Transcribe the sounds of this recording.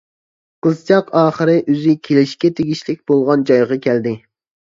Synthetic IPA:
qəzt͡ʃʰɑqʰɑːχəɾɨʔyzɪkʲʰelɪʃkʲɛt̪ʰeɡʲiʃlɪkʲbolˠʁɑnd͡ʒɑjʁɑkʲʰɛld̪ɪ

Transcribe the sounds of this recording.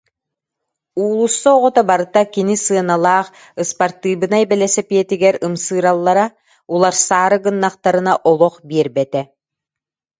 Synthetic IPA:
uːlˠusːɔɔʁɔt̪abaɾɯt̪akinisɯɐnalˠaːχ | ɯspaɾt̪ɯːbɯnaɛbɛlɛsɛpiɛt̪iɡɛɾɯmsɯːɾalˠːaɾa | ulˠaɾsaːɾɯɡɯnːaχt̪aɾɯnaʔɔlˠɔχbiɛɾbɛt̪ɛ

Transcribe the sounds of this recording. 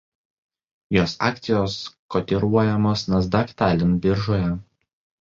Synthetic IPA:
joːsɑ̰ːkt̪sʲɪjoːskɔt̪ʲiɾuɔjɛmoːsnɐzd̪ɑkʲt̪æːlʲɪnbʲɪɾʒoːjɛ

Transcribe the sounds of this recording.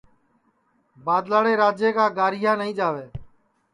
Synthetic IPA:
baːd̪laːɽeːɾaːd͡ʒeːkaːɡaːɾɪijãːnəɦĩːd͡ʒaːʋeː

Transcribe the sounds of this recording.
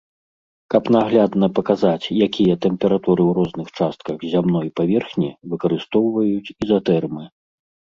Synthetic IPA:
kɐpnaɣlʲad̪nɐpɐkazat͡sʲjakʲijɐt̪ɛmpʲɛɾat̪uɾɨwɾɔznɨxt͡ʂast̪̚kɐɣzʲamnɔjpavʲɛrxnʲivɨkɐɾɨst̪ɔwvɐjut͡sʲizat̪ɛrmɨ

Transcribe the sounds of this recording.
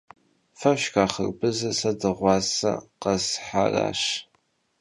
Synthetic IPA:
fɐɕkaːχə̰rbɨzɐsɐdɨʁʷɑːsɐ̰qɐsħa̰ra̰ːɕ

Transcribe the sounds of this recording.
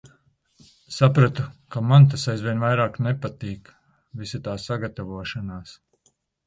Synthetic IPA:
sapɾat̪ukamant̪̬asajzvʲiɛnvajɾaːknepat̪iːk | visat̪aːsaɡat̪avuɔʃanaːs

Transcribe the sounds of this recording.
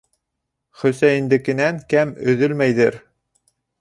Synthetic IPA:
χɵ̆sæjɘ̆nd̪ɘ̆kɘ̆næŋkæmɵ̆ðɵlmæjðɘɾ

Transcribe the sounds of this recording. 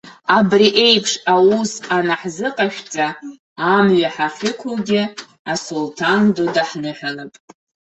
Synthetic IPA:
abriʔe̞jpʰʂawusanaħzɨqʼaʃʲᶣt͡sʼaː | mɥaħaχʲɪkʷʰʊlɡʲɪ | asultʰandodaħnɨħʷᶣalapʼ

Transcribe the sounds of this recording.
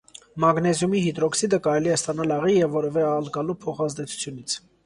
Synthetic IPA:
mɑɡnɛzjumihit̪ɾɔksid̪əkɑɾɛliɛst̪ɑnɑlɑʁijɛvːɔɾɛvɛɑlɡɑlupʰɔχɑzd̪ɛt͡sʰu̥t͡sʰjunit͡sʰ

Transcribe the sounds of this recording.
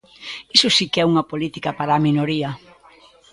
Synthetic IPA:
isʊsikɛuŋɐpolit̪ikɐpaɾaminoɾiɐ

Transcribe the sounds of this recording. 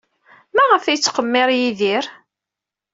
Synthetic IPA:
mæʁəfijt͡sːqəmːɪɾˤjiðiɾ

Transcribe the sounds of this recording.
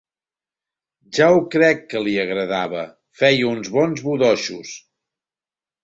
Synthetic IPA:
ʒaukɾɛkːəliəɣɾəðaβə | fɛjunzβɔnzβuðɔʃus

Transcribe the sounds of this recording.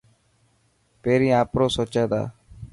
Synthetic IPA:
peːɾĩːaːpɾoːsɔt͡ʃad̪a̰ː

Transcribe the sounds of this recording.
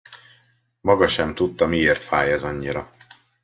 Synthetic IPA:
mɒɡɒʃɛmt̪ut̪ːɒmieːrt̪faːjɛzɒɲːiɾɒ

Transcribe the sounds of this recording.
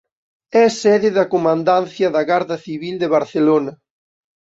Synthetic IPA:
ɛsɛðɪðɐkomãnd̪anθjɐðɐɣaɾðɐθiβild̪eβaɾθelonɐ

